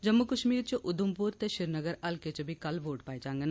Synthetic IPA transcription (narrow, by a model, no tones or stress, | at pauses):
d͡ʒɐmːukɐʃmiːɾt͡ʃɐʔʊd̪ʊmpuɾt̪eʃɪɾnəɡəɾɐlket͡ʃɐbʱikɐlʋoːʈpaːet͡ʃãːŋɡɐna